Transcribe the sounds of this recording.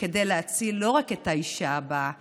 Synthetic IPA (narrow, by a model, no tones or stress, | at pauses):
ke̞de̞jleat͡silːo̞ʁake̞taiʃaːba